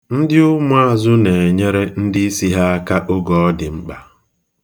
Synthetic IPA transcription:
n̩˦dɪ˦ʊ˦mʊ˦a˦zʊ˦ne˨e˨ɲe˦ɾe˦n̩˦dɪ˦i˦si˦ɦa˦a˦ka˦ʔo˦ɡɔ˨ɔ˦dɪ˨ŋ͡m̩˦k͡pa˨

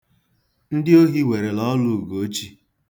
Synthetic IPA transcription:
n̩˦dɪ˦o˦ɦi˦we˨ɾe˨lɔ˦lu˦˨ɡo˨˦t͡ʃi˦

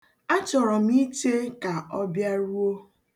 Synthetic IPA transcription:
a˦t͡ʃɔ˨ɾɔ˨m˦i˦te˦ka˨ɔ˦bja˦ɾu˦o˦

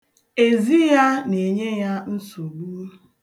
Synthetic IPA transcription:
e˨zi˦ja˦ne˨ɲe˦ja˦n̩˦su˨ɡ͡bu˦

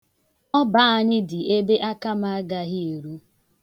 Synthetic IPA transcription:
ɔ˦ba˦a˦ɲɪ˦dɪ˨e˦be˦ʔa˦ka˦ma˦a˦ɡa˦ɣɪ˦e˨ɾu˦

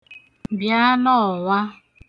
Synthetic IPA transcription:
bja˦nɔ˦˨wa˦

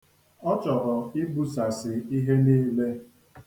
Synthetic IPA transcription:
ɔ˦t͡ʃɔ˨ɾɔ˨i˦bu˦sa˨sɪ˨i˦ɦe˦niː˦le˦

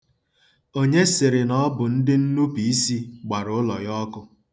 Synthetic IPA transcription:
o˦ɲe˦sɪ˨ɾɪ˨nɔ˦bʊ˨n̩˦dɪ˦n̩˦nu˦pi˨i˦si˦ɡ͡ba˨ɾʊ˨ʊ˦lɔ˨jɔ˦kʊ˦

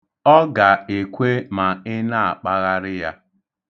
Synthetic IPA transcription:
ɔ˦ɡa˨e˨kʷe˦ma˨ɪ˦na˦a˨k͡pa˦ɣa˦ɾɪ˦ja˦

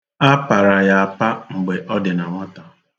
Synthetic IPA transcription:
a˦pa˨ɾa˨ja˨a˨pa˦ŋ͡m̩˨ɡ͡be˨ʔɔ˦dɪ˨na˨ŋʷɔ˦ta˨

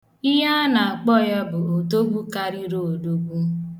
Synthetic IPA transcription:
i˦ɦa˦na˨a˨k͡pɔ˦˨ja˦bʊ˨o˨to˦ɡu˦ka˦ɾi˦ɾo˨o˨do˦ɡʷu˦

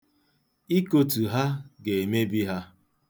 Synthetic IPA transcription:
i˦ko˨tu˨ɦa˦ɡe˨me˦bi˦ɦa˦

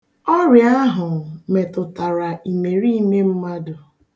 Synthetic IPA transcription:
ɔ˦ɾja˦ɦʊ˨me˨tʊ˨ta˨ɾa˨ʔi˨me˨ɾi˦i˦me˦m̩˦ma˦dʊ˨

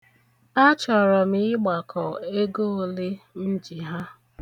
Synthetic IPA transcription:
a˦t͡ʃɔ˨ɾɔ˨m̩i˨˦ɪ˦ɡ͡ba˨kʰɔ˨e˦ɡo˦o˨le˦n̩˦d͡ʒi˨ɦa˦

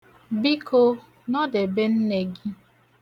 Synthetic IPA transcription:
bi˦kʰo˦ | nɔ˦de˨be˦n̩˦ne˨ɡi˦

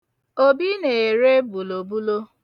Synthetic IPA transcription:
o˦bi˦ne˨e˨ɾe˦bu˨lo˨bu˦lo˦

